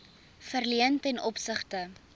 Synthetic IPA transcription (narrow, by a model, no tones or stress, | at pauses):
fərliəntɛnʔɔpsəχtə